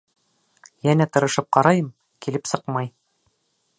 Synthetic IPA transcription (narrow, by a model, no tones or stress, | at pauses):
jænæt̪ɤ̆ɾɤ̆ʃɤp̚qɑɾɑjɤm | kilɘpsɤqmɑj